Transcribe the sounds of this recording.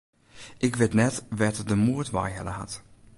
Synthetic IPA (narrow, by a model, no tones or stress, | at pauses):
ʔɪkʋɪtnɛtʋɛtdəmuːtʋa̰jɦɛ̰ləha̰t